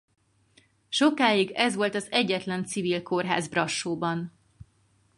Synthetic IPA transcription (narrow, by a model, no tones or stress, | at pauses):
ʃo̞kaːiɡɛzʋo̞lt̪ɒzɛɟːɛt̪lɛnt̪sivilko̞rɦa̰ːzbrɒʃːoːbɒn